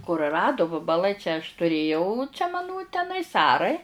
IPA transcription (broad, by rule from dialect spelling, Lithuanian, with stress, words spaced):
kʊrʊˈrɑːdʊ ʋɐbɐˈlˠɐɪ t͡ʃʲɛ ɐʃ tʊˈrʲeːjɛʊ t͡ʃʲɛ mɐˈnʊ tʲɛˈnɐɪs ˈɑːrɐɪ